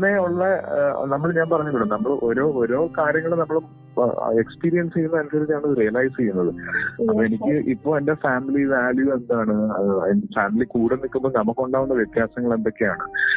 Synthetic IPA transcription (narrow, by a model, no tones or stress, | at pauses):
nːeuɭːɐnɐmːɐɭɲaːnpɐrɐɲːuʋiɽumnɐmːɐɭʔoɾo̞ːɾo̞ːkaːɾjɐŋːɐɭenɐmːɐɭum | ekspiːɾijɐnsejːunːɐɐnusɐɾit͡ɕːaːɳoðɨrijɐlajst͡ɕejːunːɐðɨɐpːoenikʲːɨʔipːo̞ːendefaːmiliʋaːɭjue̞nd̪aːɳɨɐnfaːmilikuːɽenːikːumboːnɐmːukːoɳɖaːʋunːɐʋjet̪jaːsɐŋːɐɭe̞nd̪o̞kːejaːɳɨ